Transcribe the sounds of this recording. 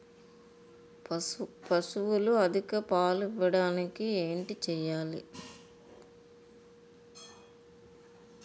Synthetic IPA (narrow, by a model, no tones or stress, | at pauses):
pɐsuʋuluɐd̪ʱikɐpaːliʋːɐɽaːnikieːɳʈit͡ʃɛjaːlḭ